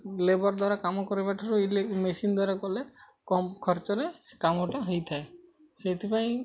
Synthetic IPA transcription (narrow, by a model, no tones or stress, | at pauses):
lebɔɾd̪waɾakamɔkɔɾebaʈʰɔɾuilemesind̪waɾakɔle | kɔkʰɔɾt͡ʃɔɾekamɔʈaɦɔjt̪ʰae | set̪ʰipaĩ